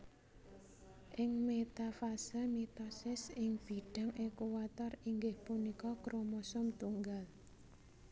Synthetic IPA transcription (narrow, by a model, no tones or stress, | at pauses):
ʔɪŋmet̪afasəmit̪ɔsɪsɪŋb̥i̤ɖ̥ä̤ŋekuwat̪ɔriŋɡɪhpunikɔkɾomɔsɔmt̪uŋɡal